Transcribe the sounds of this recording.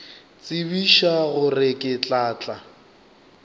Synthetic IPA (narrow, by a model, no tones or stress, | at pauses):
t͡sʼɪbiʃaɣʊrɪkʼɪt͡ɬʼaːt͡ɬʼa